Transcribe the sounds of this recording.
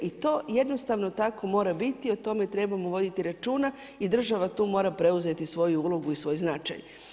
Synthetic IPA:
it̪o̞ːje̞d̪no̞st̪aʋno̞t̪ako̞mo̞ːɾabit̪iot̪o̞me̞t̪ɾe̞bamoʋo̞d̪it̪iɾat͡ʃuːna | id̪r̩ʒaʋat̪uːmo̞ːɾapɾe̞uze̞t̪isʋo̞juulˠo̞ɡuisʋo̞jznat͡ʃa̰j

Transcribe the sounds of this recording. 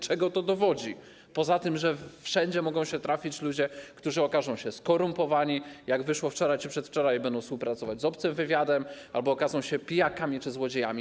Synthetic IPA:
t͡ʂɛɡɔt̪ɔd̪ɔvɔd͡ʑi | pɔzat̪ɘmʐɛfʂɛɲd͡ʑɛmɔɡɔ̃w̃ɕɛt̪ɾafʲit͡ɕlud͡ʑɛkt̪uʐɘɔkazɔ̃w̃ɕɛskɔɾumpɔvaɲijaɡvɘʂwɔft͡ʂɔɾajt͡ʂɘpʂɛt̪ft͡ʂɔɾajbɛnd̪ɔ̃w̃spuwpɾat̪sɔvad͡ʑzɔpt̪sɛmvɘvʲjad̪ɛm | albɔːkazɔ̃w̃ɕɛpʲijakamʲit͡ʂɘzwɔd͡ʑejamʲi

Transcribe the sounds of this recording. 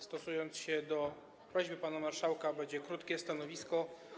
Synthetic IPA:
st̪ɔsujɔnt̪sɕɛd̪ɔ | pɾɔʑbɘpanamaɾʂawkabɛɲd͡ʑɛkɾut̪kʲɛst̪anɔvʲiskɔ

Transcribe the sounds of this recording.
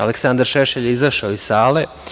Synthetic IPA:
aleksand̪aɾʃeʃeʎizaʃaoisaːle

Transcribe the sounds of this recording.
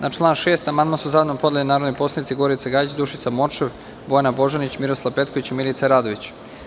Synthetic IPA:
nʔaʈ͡ʂlˠaːnʃe̞ːst̪amand̪masuzaːd̪nompo̞d̪elʲinaːɾod̪nojpo̞slˠanit̪siɡo̞ɾit̪saɡait͡ɕd̪uʃit̪samot͡ʂeʋ | bojanabo̞ʒanit͡ɕmiɾoslˠaʋpe̞t̪koʋit͡ɕimilit̪saɾaːd̪o̞ʋit͡ɕ

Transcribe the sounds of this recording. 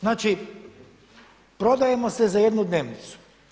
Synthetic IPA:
znaːt͡ʃi | pɾo̞d̪aje̞mo̞sezajed̪nud̪ne̞ʋnit̪su̥

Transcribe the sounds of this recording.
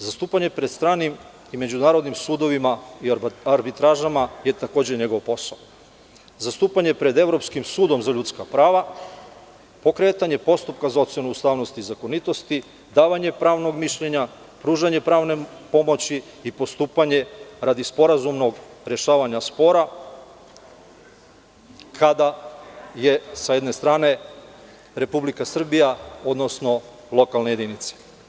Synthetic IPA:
zast̪uːpaɲe̞pɾd̪st̪ɾaːnim | ime̞d͡ʑunaːɾo̞d̪nimsuːd̪o̞ʋimaiaɾbit̪ɾaʒamaje̞t̪ako̞ːd͡ʑe̞ɲe̞ɡo̞ʋpo̞sao | zast̪uːpaɲe̞pɾe̞d̪e̞ʋɾo̞pskimsuːd̪o̞mzaʎut̪skapɾaːʋa | po̞kɾe̞t̪aɲe̞po̞st̪up̚kazao̞t̪sje̞nuust̪aːʋno̞st̪izako̞nit̪o̞st̪i | d̪aːʋaɲe̞pɾaːʋno̞ɡmiʃʎe̞ɲa | pɾuːʒaɲe̞pɾaːʋne̞po̞mo̞t͡ɕi | ipo̞st̪uːpaɲe̞ɾad̪ispo̞ɾazumno̞ɡɾeʃaːʋaɲaspo̞ɾa | kʰad̪aje̞sajed̪ne̞st̪ɾaːne̞ | ɾe̞publikasr̩bijaod̪no̞sno̞ | lo̞kalˠneje̞d̪init̪se̥

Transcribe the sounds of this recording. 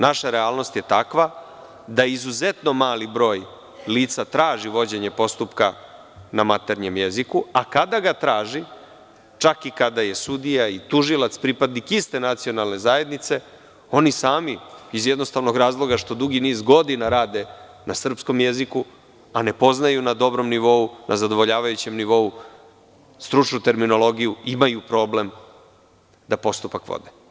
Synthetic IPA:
naʃaɾeaːlˠno̞st̪je̞t̪akʋa | d̪aizuze̞t̪no̞maːlibɾo̞ːj | liːt̪sat̪ɾaːʒiʋo̞d͡ʑe̞ɲe̞po̞st̪upka | namat̪e̞ɾɲe̞mje̞zikuakad̪aɡat̪ɾaːʒi | t͡ʃakikad̪aje̞sud̪ijait̪uʒilˠat̪spɾipad̪nikist̪e̞nat̪sio̞nalne̞zaje̞d̪nit̪se̞ | o̞nisaːmiizjed̪no̞st̪aʋno̞ɡɾaːzlˠo̞ɡaʃt̪o̞d̪uɡiniːzɡo̞d̪inaɾaːd̪e̞ | nasr̩psko̞mje̞ziku | ane̞po̞znajunad̪o̞bɾo̞mniʋo̞unʔa̰zad̪o̞ʋo̞ʎaːʋajut͡ɕe̞mniʋo̞u | st̪ɾut͡ʂnut̪e̞ɾmino̞lˠo̞ɡijuimajupɾo̞ːble̞m | d̪apo̞st̪upakʋo̰d̪e

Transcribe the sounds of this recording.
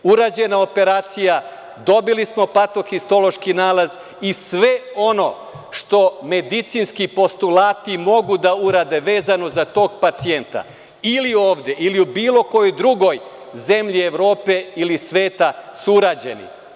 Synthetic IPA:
uɾaːd͡ʑe̞nao̞pe̞ɾaːt̪sija | d̪o̞bilismo̞pat̪o̞xist̪o̞lo̞ʃkinaːlaz | isʋe̞o̞no̞ | ʃt̪o̞me̞d̪it̪sinskipo̞st̪ulaːt̪imo̞ɡud̪auɾaːd̪e̞ʋe̞ːzano̞zat̪o̞ːɡpat̪sie̞nt̪a̰ | ilio̞ːʋd̪je̞ʔiliubiːlo̞ko̞jojd̪ɾuɡo̞j | ze̞mʎie̞ʋɾo̞ːpe̞ilisʋe̞ːt̪asuuɾaːd͡ʑe̞̰nḭ

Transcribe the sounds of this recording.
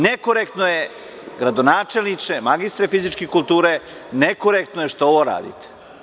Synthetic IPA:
nekoɾek̚t̪noje | ɡɾad̪o̞naːt͡ʃelʲnit͡ʃemaɡist̪ɾefizit͡ʃkekulˠt̪uːɾenekoɾekt̪nojeʃt̪ooʋoɾa̰ːd̪ḭt̪e̥

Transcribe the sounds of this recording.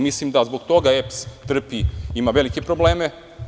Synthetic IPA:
mislimd̪azbo̞ɡt̪o̞ɡaepst̪r̩piimaʋe̞likepɾo̞ble̞ːme

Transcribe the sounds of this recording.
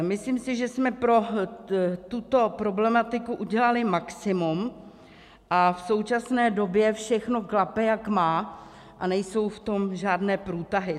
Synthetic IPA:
mɪslimsɪʒɛsmɛpɾo̞ | t̪ut̪o̞pɾo̞blɛmat̪ɪkuʔuɟɛlalɪmaksɪmum | ʔafso̞wt͡ʃasnɛːdo̞bjɛfʃɛxno̞klapɛjakmaː | ʔanɛjso̞wft̪o̞mʒaːdnɛːpɾuːt̪aɦɪ

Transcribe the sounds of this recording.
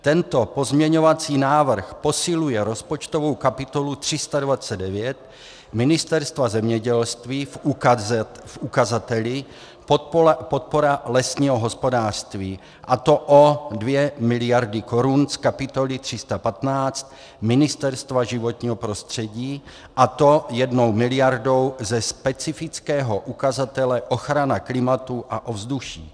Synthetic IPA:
t̪ɛnt̪o̞po̞zmɲɛɲo̞vat͡siːnaːvr̩xpo̞sɪlujɛɾo̞spo̞t͡ʃt̪o̞vo̞wkapɪt̪o̞lut̪r̝̥ɪst̪advat͡sɛddɛvjɛt̪ | mɪnɪst̪ɛɾst̪vazɛmɲɛɟɛlst̪viːf | fʔukazat̪ɛlɪ | po̞t̪̚po̞ɾalɛsɲiːɦo̞ɦo̞spo̞daːr̥st̪viː | ʔat̪o̞ʔodvjɛmɪlɪjaɾdɪkoɾunskapɪt̪o̞lɪt̪r̝̥ɪst̪apat̪naːt͡st̪̚ | mɪnɪst̪ɛɾst̪vaʒɪvo̞t̪ɲiːɦopɾo̞st̪r̝̥ɛɟiː | ʔat̪o̞jɛdno̞wmɪlɪjaɾdo̞wzɛspɛt͡sɪfɪt͡skɛːɦo̞ʔukazat̪ɛlɛʔo̞xɾanaklɪmat̪uʔaʔovzduʃḭː

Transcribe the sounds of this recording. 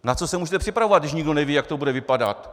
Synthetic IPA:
nat͡so̞sɛmuːʒɛt̪ɛpr̥ɪpɾavovad̪dɪʃɲɪɡdonɛviːjakt̪obudɛvɪpada̰t̪

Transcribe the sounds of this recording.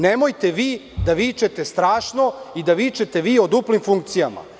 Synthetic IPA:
nemojt̪e̞ʋiːd̪aʋiːt͡ʃet̪e̞st̪ɾaːʂnoid̪aʋiːt͡ʃet̪e̞ʋiːo̞d̪uplimfuŋk̚t̪sijama̰

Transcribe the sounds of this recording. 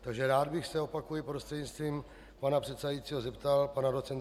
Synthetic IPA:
t̪aɡʒɛɾaːd̪bɪxsɛo̞pakujɪpɾost̪r̥ɛd̪ɲɪt͡st̪viːm | panapr̥ɛt̪sɛdajiːt͡siːɦozɛpt̪alpanaɾo̞t͡sɛn

